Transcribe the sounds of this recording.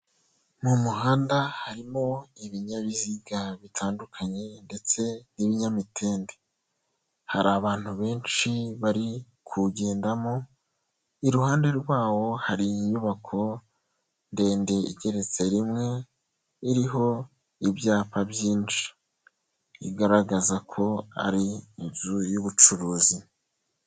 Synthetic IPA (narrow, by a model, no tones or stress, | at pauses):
mumuɦaːndahaɾimo̞iβiɲaβiziɡaβitʰaːndukʰaɲe̞nde̞t͡se̞niβiɲamitʰe̞ːnde | ha̰ɾaβaːn̥huβe̞ːnt͡ʃiβaɾi | kʰuɟe̞ːndamo | iɾuhaːnde̞ɾɡwaːwo̞haɾijuβakʰo̞ | nde̞ːnde̞iɟe̞ɾe̞t͡se̞ɾimŋe̞ | iɾiɦo̞ | ibjaːpabjiːnd͡ʒi̥ | iɡaɾaɡazakʰo̞a̰ɾiːnzujuβut͡ʃuɾuːzi